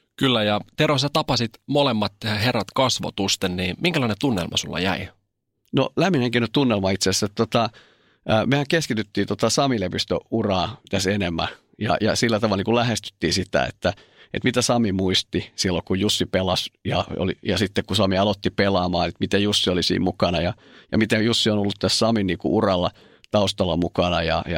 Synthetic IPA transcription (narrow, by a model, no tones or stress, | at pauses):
kylːæjɑt̪erosɑt̪ɑpɑsit̪molemːɑt̪herːɑt̪kɑsʋo̰t̪ust̪enniːmiŋkælɑinet̪unːḛlmɑ̰sulːɑ̰jæ̰i | no̰læmːineŋkenott̪unːelmɑit̪sesːet̪t̪ot̪ɑ | mehæŋkeskit̪yt̪ːiːnt̪ot̪ɑsɑmilepist̪ø̰urɑːt̪æsenemːæ̰ | jɑ̰jɑ̰silːæt̪ɑʋɑlniːkulæhest̪y̥t̪ːiːsit̪æ̰ḛt̪ːæ | ḛt̪mit̪æsɑmimuist̪isilːokujjusːipelɑsjɑ̰o̰lḭjɑsit̪ːekkusɑmiɑlot̪ːipelɑːmɑːnet̪mit̪ejusːiolisḭːmmukɑnɑjɑ | jɑ̰mit̪ejusːionolːut̪t̪æssɑminniːkṵʔurɑlːɑ | t̪ɑust̪ɑlːɑmukɑnɑjɑ̰jɑ